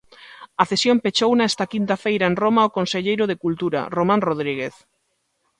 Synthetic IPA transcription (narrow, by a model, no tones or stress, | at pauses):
ɐθesjõmpet͡ʃownaest̪akint̪afejɾaenromaokonseʎejɾoðekult̪uɾa̰romãnroð̞ɾiɣ̞eθ